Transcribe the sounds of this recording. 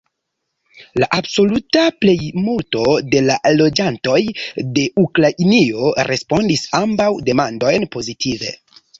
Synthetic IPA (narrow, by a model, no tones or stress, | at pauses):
laʔabso̞lutaple̞jmulto̞de̞lalo̞d͡ʒanto̞jde̞ʔukɾaʔinio̞ɾʔe̞spo̞ndisambawde̞mando̞jnpo̞zitʰive̞̰